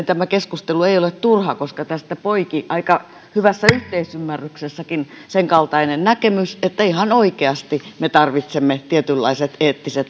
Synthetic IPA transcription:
t̪æmækeskust̪elueiolet̪t̪urhɑkoskɑt̪æst̪æpoikiʔɑikɑ | hyʋæsːæyht̪eisymːærːyksesːækin | seŋkɑlt̪ɑinennækemyset̪ːæihɑnoikeɑst̪imet̪ɑrʋit̪semːet̪iet̪ylːɑ̰iset̪eːt̪ːiset̪

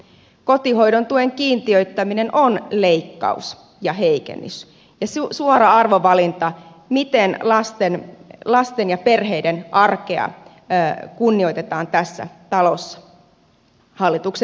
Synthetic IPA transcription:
kot̪ihoidont̪ueŋkiːnt̪iøyt̪ːæminenʔonleikːɑ̰ṵs | jɑheikḛnːy̰s | jɑssuoɾɑɑrʋoʋɑlint̪ɑ | mit̪enlɑst̪enlɑst̪enjɑperheidenʔɑrkeɑ̰ | kunːio̞it̪et̪ɑːnt̪æsːæ̰t̪ɑlosːɑ̥ | hɑlːit̪ukse

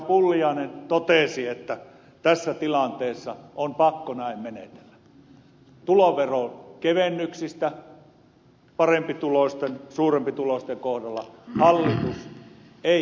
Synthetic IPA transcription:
pulːiɑˑinent̪ot̪esiet̪ːæ | t̪æsːæt̪ilɑnt̪eːsːɑompɑkːonæimmenḛt̪e̥lːæ | t̪uloʋerokeʋenːyksist̪æ | pɑrempit̪ulost̪ensuːrempit̪ulost̪eŋkohdɑlːɑhɑlːit̪us | eˑ

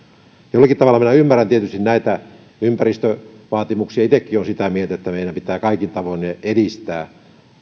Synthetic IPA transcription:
jolːɑkit̪ɑʋɑlɑminæymːærænt̪iet̪yst̪innæˑit̪æ | ympærist̪øʋɑːt̪imuksiɑit̪ekːionsit̪æmielt̪æet̪ːæmeˑiɾæmpit̪æːkɑikint̪ɑʋoineeɾist̪æː

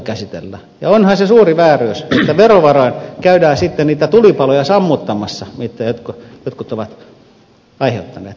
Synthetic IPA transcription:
kæsit̪ḛlːæ | jɑonhɑsesuːriʋæːrøyset̪ːæʋeroʋɑroinkæydæːsit̪ːenniːt̪æt̪ulipɑlojɑsɑmːut̪ːɑmɑsːɑmit̪ːæjot̪kojot̪kut̪oʋɑt̪ | ɑiheut̪ːɑnḛːt̪

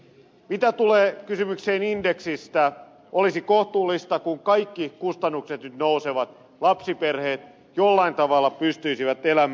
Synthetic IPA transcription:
mit̪æt̪uleːkysymykseːnindeksist̪æ | ʔolisikoht̪uːlːist̪ɑkuŋkɑikːikust̪ɑnːukset̪nyt̪nouseʋɑt̪ | lɑpsiperheːt̪ | jolːɑint̪ɑʋɑlːɑpyst̪yisiʋæt̪elæm

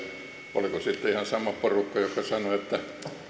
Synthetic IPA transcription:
o̰likosit̪ːeihɑnsɑmɑporukːɑjokːˑɑsɑnoet̪ːæ

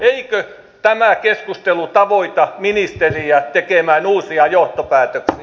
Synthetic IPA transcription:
eikø | t̪æmækeskust̪elut̪ɑʋoit̪ɑminist̪eriæt̪ekemæːnuːsiɑjoht̪opæːt̪øksi

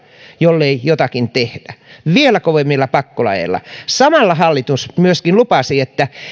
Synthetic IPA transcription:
jolːeijot̪ɑkint̪ehd̥æʋielækoʋemːilːɑpɑkːolɑ̰jḛlːɑ̰sɑmɑlːɑhɑlːit̪usmyøskinlupɑsiet̪ːæ

